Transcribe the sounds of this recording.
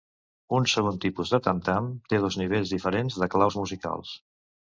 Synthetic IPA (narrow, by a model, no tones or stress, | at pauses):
unsəɣont̪ipuzðət̪ənt̪amt̪eð̞ɔzniβ̞eʎzðifəɾenzðəklawzmuzika̰lˠs